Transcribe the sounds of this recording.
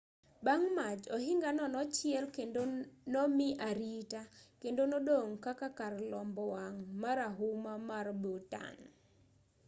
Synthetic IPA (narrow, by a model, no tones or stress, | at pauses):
baŋmad͡ʒɔɦɪŋɡanɔnɔt͡ʃɪɛlkendonɔmɪʔaɾitakendonɔdoŋkakakarlɔmbɔwaŋmaɾaɦumamarbota̰n